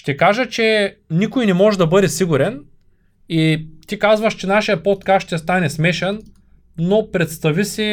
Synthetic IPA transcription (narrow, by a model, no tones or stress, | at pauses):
ʃt̪ɛkaʒɐt͡ʃɛnikʊjnɛmɔʒɛd̪ɐbɤd̪ɛsiɡuɾɛn | it̪ikazvɐʃt͡ʃɛnaʃijɐpot̪kast̪ʃt̪ɛst̪anɛsmɛʃɛnː | opɾɛt̪st̪ɐvisi